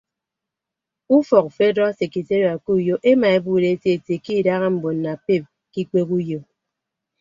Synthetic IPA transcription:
u˦fɔ˨kfe˦dɔ˦se˨ki˨te˦ɾo˨a˨ku˦˨jo˦ʔe˦ma˨e˦buː˨ɾe˨˦e˦tje˦e˨te˨ki˦˨da˦ɣa˦m̩˨bo˨n̩ː˨a˨pe˦˨p̚ | ki˦k͡pe˦ku˦jo˨

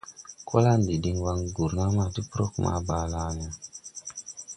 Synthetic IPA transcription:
ka˦la˦n˨di˨di˨ŋwa˧ŋɡu˨ɾna˦ma˦˨ti˦pɾo˦kmʔa̰˨ba˨la˦na˨

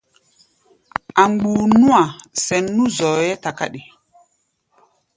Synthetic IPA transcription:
ʔa˨ŋ͡mɡ͡buː˨nu˦a˨sɛ˨nːũ˦zɔː˨jɛ˦ta˨ka̰˦ɗi˨

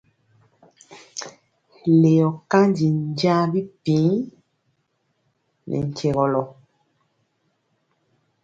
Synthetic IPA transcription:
le˨jɔ˨ka˦nd͡ʒi˨n˦d͡ʒa˦bi˦pĩ˨˦ | nʔɛ̰˨ŋ̩˨ke˨ɣɔ˨lɔ˨

